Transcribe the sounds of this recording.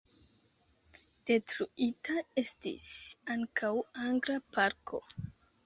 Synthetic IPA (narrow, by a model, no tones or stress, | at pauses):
d̥e̞tɾuitaestḭsaŋkʰawaŋɡɾapaɾkʰo̞̰